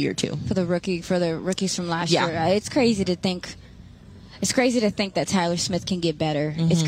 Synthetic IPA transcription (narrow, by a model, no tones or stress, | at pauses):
ɪ̰ɹtʰʉ̰fə˞ðɨɹʊkifə˞ðɨɹʊkiz̥fɹʌ̃mlæstjjɪɹɪtskʰɹ̥eɪziɾɨθɪ̃ŋk | ɨtskʰɹ̥eɪziɾɨθɪ̃ŋk̚ðɨtʰaɪlˠə˞smɪθkʰɨ̃nɡɛt̚b̥ɛɾə˞ɨts